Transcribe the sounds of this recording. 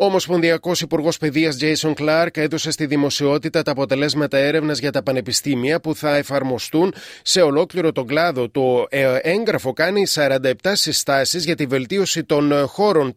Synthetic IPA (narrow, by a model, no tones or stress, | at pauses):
omo̞spo̞nðiɐko̞sipuɾɣo̞spe̞ðiɐzd͡ʒejso̞ŋklɐɾke̞ðo̞se̞st̪iðimo̞sio̞t̪it̪ɐt̪ɐːpo̞t̪e̞le̞zmɐt̪ɐe̞ɾe̞vnɐzʝɐt̪ɐpɐne̞pist̪imiɐpuθɐe̞fɐɾmo̞st̪un | se̞o̞lo̞kliɾo̞t̪o̞ɡlɐðo̞t̪o̞e̞ŋɡɾɐfo̞kɐnisɐɾɐnd̪ɐep̚t̪ɐsist̪ɐsizʝɐt̪ive̞lt̪io̞sit̪o̞nxo̞ɾo̞n